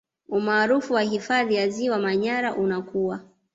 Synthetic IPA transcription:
umaːɾufuwaɦifaðijaziwamaɲaɾaʔunakuwa

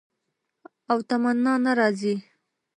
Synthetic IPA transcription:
awt̪amanːɑnaɾɑzi

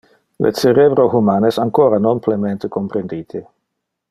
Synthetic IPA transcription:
lʔḛt͡seɾebɾohumanesaŋkoːɾanonplement̪ekompɾend̪iːt̪ʰe

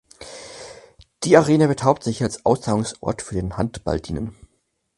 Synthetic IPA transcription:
d̥iːaʁeːnəbətʰaʊp̚tz̥ɪçalsʔaʊst͡saːʊŋsʔɔ̰ɐtfyːɐdeːnhantb̥a̰ldiːnən

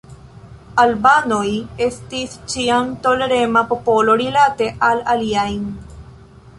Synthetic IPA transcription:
albanojest̪ist͡ʃiamt̪oleɾemapopoloɾilat̪eʔalaliajn

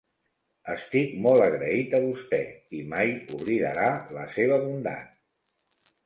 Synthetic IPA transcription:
əst̪ikmɔlˠəɣɾəit̪əβust̪ɛ̰imajuβɾiðə̰ɾalə̰seβ̞əβund̪a̰n

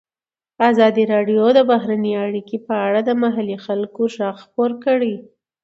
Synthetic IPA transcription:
azɑd̪iɾɑɖjod̪əbaɦɾaneaɽikipəaɽad̪əmaɦalixalkoʒɑxxpoɾkəɽi

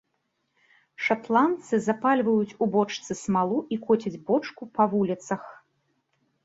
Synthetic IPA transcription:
ʂat̪lˠant̪sɨzapalʲvɐjut͡sʲubɔt͡ʂt̪sɨsmalˠuʔikɔt͡sʲɐd͡zʲbɔt͡ʂkupɐvulʲit̪sɐx

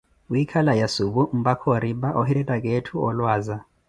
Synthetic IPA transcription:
uikʰalajasuɓum̩bakʰoɾiɓaʔɔɦiɾɛtʼakʼetʰuɔlwaːza

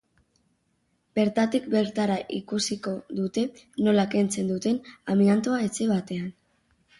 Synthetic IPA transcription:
be̞ɾt̪at̪ik̚be̞ɾt̪aɾaʔikusiko̞ðut̪e̞ | no̞lake̞nt͡se̞nd̪ut̪e̞namiant̪oaet͡seβat̪e̞an

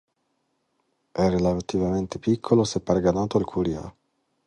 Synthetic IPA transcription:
ɛrelat̪ivament̪epikʰːolosepːaɾɡanaːt̪oalkʰuɾia̰

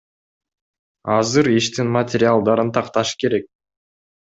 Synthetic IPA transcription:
ɑzɯɾiʃt̪inmət̪ʲɪɾʲɪalˠd̪ɑɾɯnt̪ʰɑqt̪ɑʃke̞ɾe̞k̚

